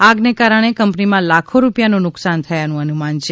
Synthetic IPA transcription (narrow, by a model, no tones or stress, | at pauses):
aɡnekaɾəɽ̃ekəmpnimãlakʰoɾupjanũnʊksant̪ʰəjanũənumant͡ʃʰe